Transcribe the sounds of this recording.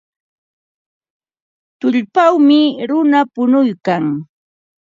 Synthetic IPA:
t̪ʊʎpawmɪɾʊnapʊnʊjkaŋ

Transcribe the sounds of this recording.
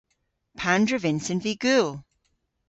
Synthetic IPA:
pʰãndɹəvɪ̃nsə̃nviɡ̥ʉlˠ

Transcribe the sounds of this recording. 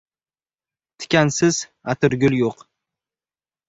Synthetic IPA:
t̪ʰɪ̥kʲansɪz̥ | at̪ʰɪɾɡʲʊlˠjoq

